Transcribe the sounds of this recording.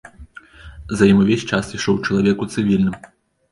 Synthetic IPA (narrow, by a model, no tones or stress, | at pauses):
zɐjimuesʲt͡ʂasʲiʂɔwt͡ʂɐlˠavʲɛkut̪sɨvʲilʲnɨm